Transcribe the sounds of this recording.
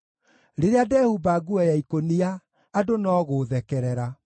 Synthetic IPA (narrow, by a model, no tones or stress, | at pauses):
ɾeɾeadɛhubaɡuɛjaikoniaː | donɔːɣoːðɛkɛɾɛɾa